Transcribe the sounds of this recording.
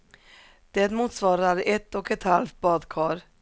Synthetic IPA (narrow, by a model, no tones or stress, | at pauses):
d̪̥ɛt̪muːt̪svɑːɾaɾɛt̪ɔkɛt̪halft̪̚bɑːd̪kʰɑːɾ